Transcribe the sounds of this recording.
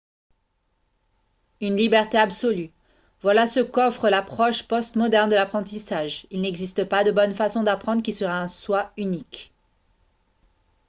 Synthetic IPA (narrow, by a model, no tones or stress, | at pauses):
ynlibɛʁt̪eabsɔly | vwalasəkɔfχəlapχɔʃpɔst̪mɔd̪ɛʁnd̪əlapχɑ̃t̪isaʒilnɛɡzist̪əpad̪əbɔnfasɔ̃d̪apχɑ̃d̪ʁəkʲisəʁaɛ̃swaynik